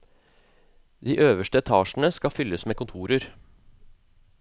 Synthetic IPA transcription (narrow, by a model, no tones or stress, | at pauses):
d̪iːʔøːʋəʃʈəɛt̪ʰɑːʃn̩əskɑfʏlːəsmeːkʊnt̪ʰuːɾəɾ